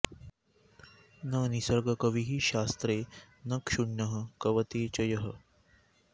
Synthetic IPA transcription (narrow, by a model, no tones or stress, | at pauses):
nənisəɾɡɐkəʋiɦiːɕast̪ɾeː | nəkʂuɳːəɦəkɐʋət̪eːt͡ɕəjɐɦə